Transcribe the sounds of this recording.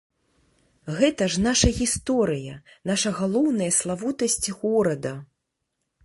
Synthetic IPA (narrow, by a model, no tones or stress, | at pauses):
ɣɛt̪ɐʐnaʂɐɣʲist̪ɔɾɨjɐ | naʂɐɣalˠɔwnɐjɐslˠavut̪ɐsʲt͡sʲɣɔɾɐd̪ɐ